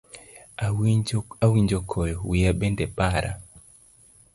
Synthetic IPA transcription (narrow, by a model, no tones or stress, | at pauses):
awiɲd͡ʒɔkʰɔjɔwiaɓɛndɛpaɾʔa̰